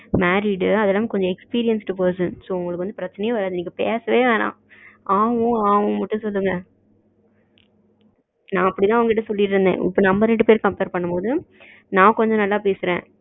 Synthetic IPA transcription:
maːɾiɽɯɐðɛlːaːmkɔɲd͡ʒɔ̃ɛkspiːɾɪjɐnsʈɯpoːsɯnsoːʊŋɡɐɭɯkːʋɐnd̪ɯpɪɾɐt͡ʃːɐnɐjãːʋɐɾaːɛniːkːɐpeːsɐʋeːʋeːnã̰ː | aːʋʊ̃aːʋʊ̃mɐʈːʊ̃sɔlːɯŋɡɐ | nãːɐpːɐɽɪt̪ãːɐʋɐŋɡɐɪʈ̬ːɐsɔlːɪʈɾɯnd̪ḛ̃ːʔɪ̰pːoːnɐmbɐɾɛɳɖɯpeːɾkɐmpeːɾpɐɳːɐmpoːðɯ | nãːkɔɲd͡ʒɔ̃nɐlːaːpeːsɪɾḛ̃ː

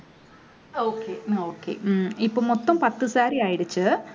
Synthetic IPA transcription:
oːkːeoːkːḛːipːoːmot̪ːɐmpɐt̪ːɨsaːɾiaːjiɽit͡ɕːɨ

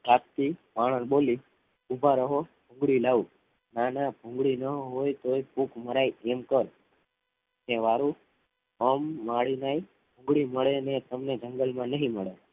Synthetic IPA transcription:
kap̚t̪imaɽ̃ənɓoli | ubʱaɾəɦobʱũŋɡɭilau | nanabʱũŋɡɭinəɦojt̪oebʱũkməɾajɛmkəɾ | neʋaɾũ | əmːaɭinai | bʱũŋɡɭiməɭenet̪əmned͡ʒə̃ŋɡəlmãnəɦĩməɭe

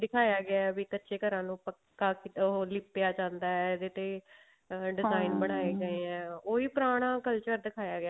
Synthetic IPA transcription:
d̪ɪkʰaːjaːɡɪaːɛʋiːkətːʃeːkəɾãːnũːpə | aːkit̪ɦoːlɪpːjaːd͡ʒãːnd̪aːɛd̪eːt̪eː | ɖɪzaːinbəɽ̃aːeːɡəeːɛ̃ːoːiːpɾaːɽ̃ãːkəlt͡ʃəɾd̪ɪkʰaːjaːɡɪaː

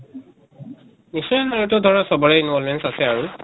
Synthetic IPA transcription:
nisɔjanaɹɔtɔdʱɔɹasɔbɔɹɛinwɔlmɛnsasɛaɹu

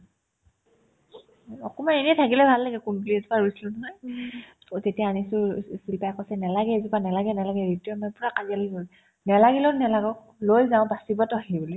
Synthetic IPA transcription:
ɔkɔmanenɛtʰakilɛbʱalːaɡɛkunduliezupaɹujsilʊnɔɦɔj | tetijaːnisʊsilpajkɔsɛnɛlaɡɛzupanɛlaɡɛnɛlaɡɛɹitiɔmɔpʊɹakazialzoj | nɛlaɡilɔnɛlaɡɔk̚ | lojzãʊ̃basibɔtɔaɦibuli

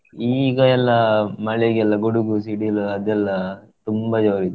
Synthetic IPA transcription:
iːɡɐɛlːɐmɐɭɛɡɛlːɐɡuɽuɡusiɽilɐd̪ɛlːɐ | t̪umbɐd͡ʒɐʋɾid̪u

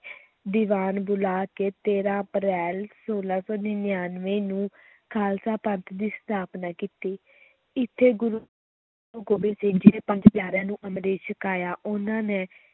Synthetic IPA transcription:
d̪iːʋaːnbʊlaːkeːt̪eːɾãːəpɾɛːlsoːlaːsɔːnɪːnjaːnʋẽːnũː | kʰaːlsaːpənt̪ʰd̪iːst̪ʰaːpnaːkiːt̪iː | ɪt̪ʰːeːɡʊɾu | oɡoːbeːsɪ̃ːd͡ʒɪːɾeːpəɲd͡ʒpjaːɾãːnũːʔəmɾeːʃəkaːjaːʔʊnãːneː

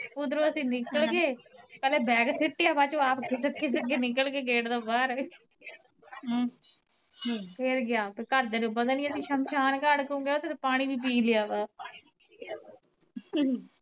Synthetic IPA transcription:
pʊd̪ɾõːəsĩːnɪkəlɡeːpɛːlɛːbɛːɡsʰɪʈːɪjaːbaːt͡ʃoːaːpkɪsəkːeːsəkːeːnɪkəlɡeːɡeːʈd̪oːbaːɾ | pʰeɾɡɪjaːpekəɾd̪eːɾeːbəd̪anĩːəsĩːʃəmʃʰaːnkəɽkõːɡejoːt̪et̪ːpaːɽ̃iːʋiːp̬iːlɪjaːbaː

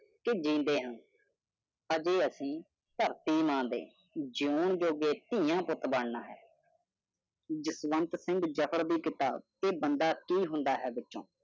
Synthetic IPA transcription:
kɪd͡ʒĩːnd̪eːɦə̃n | əd͡ʒeːəsĩː | t̪əɾt̪iːmãːd̪ḛː | d͡ʒɪoːɳd͡ʒoːɡeːt̪ĩːjãːpʊt̪baːɽnaːɦɛ̰ː | d͡ʒɪsʋənt̪sɪ̃ŋɡd͡ʒəpʰəɾd̪iːkɪt̪aːt̪eːbənd̪aːkiːɦʊ̃nd̪aːɦɛːbɪtːʃõ̰ː

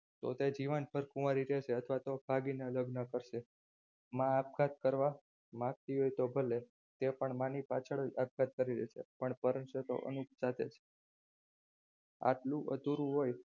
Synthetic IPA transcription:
t̪o̰t̪ed͡ʒiʋənpəɾkumaɾiɾɛt͡ʃʰeət̪ʰʋat̪ob̥ʱaɡineələɡnəkəɾʃe | mãːp̚kʰat̪̚kəɾʋa | mãɡ̚t̪iɦojt̪obʱəle | t̪epəɳmãnipat͡ʃʰəɭap̚kat̪̚kəɾiɾḛt͡ʃʰḛpəɳpəɾənʃət̪o̰ʔə̰nukʰsat̪ʰḛt͡ʃʰe̥ | a̰ʈlũʔə̰t̪uɾũɦoj

